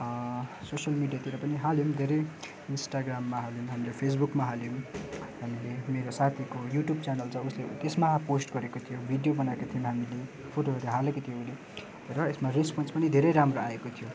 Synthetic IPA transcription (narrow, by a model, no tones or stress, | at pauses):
sosjʌlmiɖijat̪iɾʌpʌniɦaljomd̪ʱeɾʌj | insʈaɡramːaɦaljomɦamilepʰes̬bukmaɦaljomhamilemeɾosat̪ʰikojuʈjubt͡sanʌlt͡sʌ̃uslet̪esmaposʈɡʌɾekot̪ʰijobʱiɖijobʌnaekot̪ʰijomɦamile | pʰoʈoɦʌɾeɦalekot̪ʰijõuli | rʌesmarespʌnspʌnid̪ʱeɾʌjɾamroaekot̪ʰijo